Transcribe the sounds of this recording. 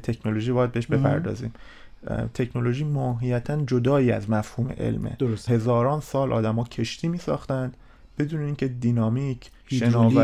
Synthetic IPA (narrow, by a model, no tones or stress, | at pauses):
t̪ʰe̞cʰnoloʒiːbɒːjæd̪beheʃbe̞pʰæ̰ɾd̪ɒ̰ːzḭːm | t̪ʰe̞cʰno̞lo̞ʒiːmɒːɦijæt̪ʰænd͡ʒod̪ɒːiːæ̰zmæfhuːme̞̰ʔe̞̰lmḛdhe̞zɒːɾɒːnsɒːlʔɒ̰ːd̪æmɒːcʰe̞ʃt̪ʰiːmiːsɒ̰ːxt̪ænd̪̥ | b̥e̞d̪uːneiːncʰe̞d̪iːnɒːmiːcʰ | ʃenɒːæ